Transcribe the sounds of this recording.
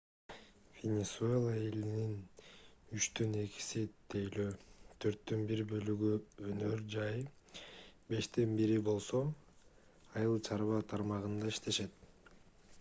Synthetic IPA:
vʲenʲesue̞lˠae̞linin | yt͡ʃt̪øne̞ki̥sit̪ʰejløːt̪ʰø̞ɾt̪ːønbiɾbø̞lyɡyønø̞ɾd͡ʒɑj | be̞ʃt̪enbiɾibo̞lˠso̞ | ɑjɯlˠt͡ʃʰɑɾβɑt̪ʰɑɾmɑʁɯnd̪ɑiʃt̪e̞ʃe̞t̪

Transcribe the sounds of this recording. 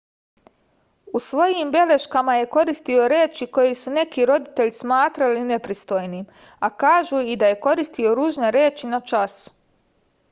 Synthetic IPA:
usʋo̞jimbe̞le̞ʃkamaje̞ko̞ɾist̪io̞ɾeːt͡ʃiko̞jesune̞kiɾo̞d̪it̪e̞ʎismaːt̪ɾaline̞pɾist̪o̞jnim | akaːʒuid̪aje̞ko̞ɾist̪io̞ɾuːʒne̞ɾe̞ːt͡ʃinat͡ʃasu̥

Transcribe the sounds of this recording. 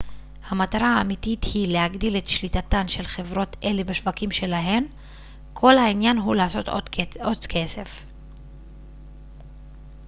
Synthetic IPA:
hamataʁaaːmitithilehaɡdile̞tʃlitatanʃe̞lχe̞vʁo̞te̞lebeʃvakimʃe̞laɦe̞m | kʰo̞lhainjanɦulaːso̞tot͡skʰe̞se̞f

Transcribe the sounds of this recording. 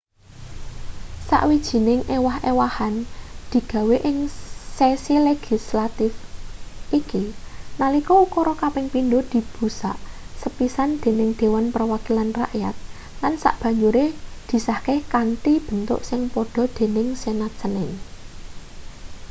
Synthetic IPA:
sa̰ʔwid̥ʒ̥i̤nɪŋʔewahewahand̪̥i̤ɡ̥ä̤weʔɪŋsesileɡ̥i̤slat̪ɪfʔikinalikɔukɔɾɔkapɪŋpindod̪̥i̤b̥ṳsa̰ʔsəpisand̪̥e̤nɪŋd̪̥e̤wanpərwakilanra̰ʔja̰t̪̚ | lansa̰ʔb̥ä̤ɲd͡ʒuɾed̪̥i̤sahkehkant̪ib̥ə̤nt̪ʊ̰ʔsɪŋpɔɖ̥ɔ̤d̪̥e̤nɪŋsenat͡ʃənɪŋ

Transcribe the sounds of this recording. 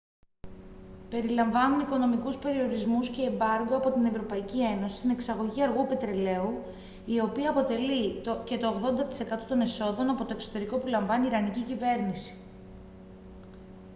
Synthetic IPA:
pe̞ɾilɐɱvɐnuniko̞no̞mikuspe̞ɾio̞ɾizmusce̞ːmbɐɾɡoɐpo̞t̪ine̞vɾo̞pɐicie̞nosi̥st̪ine̞ksɐɣo̞ʝiɐɾɣupe̞t̪ɾe̞le̞u | io̞piɐːpo̞t̪e̞lice̞t̪o̞ːɣðo̞nd̪ɐt̪i̥se̞kɐt̪ot̪o̞ne̞so̞ðo̞nɐpo̞t̪o̞e̞kso̞t̪e̞ɾiko̞pulɐɱvɐniːɾɐnicicive̞ɾnisi̥

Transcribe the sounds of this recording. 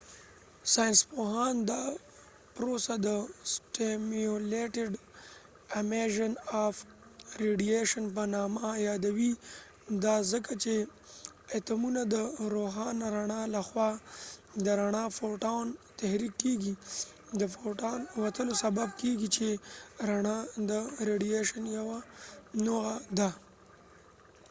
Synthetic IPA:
sɑjnspoɦɑnd̪ɑ | pɾosad̪əsʈemoleʈɪɖ | ɪmeʒɪnaf | ɾeɖijeʃənp̬ənɑmajɑd̪awi | d̪ɑzəkat͡ʃe | et̪amunad̪əɾoɦɑnaɾaɳalaxwɑ | d̪əɾaɳafoʈawnt̪ahɾikːeɡi | d̪əfoʈanwat̪əlosababkeɡit͡ʃeɾaɳad̪əɾeɖijeʃanjawanoɣad̪a

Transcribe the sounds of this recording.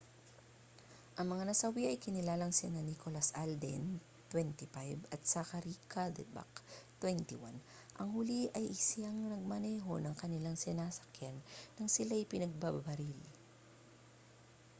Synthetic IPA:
ʔɐŋmɐŋanɐsɐwiʔɐjkɪnɪlaːlɐŋsɪnɐnikolɐsʔald̪ɛ̰n | t̪wɛnt̪ipajbɐt̪̚sakɐɾiːkʰad̪ɛ̰ba̰kt̪wɛnt̪iwa̰n | ʔɐŋhʊliʔɐjʔɪsɪaŋnɐɡ̚mɐnɛːɦo̞nɐŋkɐnɪlaŋsɪnaːsɐ̥kjanːɐŋsɪlaɪpɪnɐɡ̚bababɐɾil

